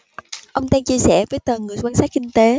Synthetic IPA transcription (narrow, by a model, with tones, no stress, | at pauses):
ʔə˧wŋ͡mɗaː˧ŋt͡ɕi˧əsɛ̰˧˩vəː˨˦jt̪ə˨˩ŋɨ˨˩əjkwaː˧nsaː˦˥t̚kï˧ŋ̟t̪e˨˦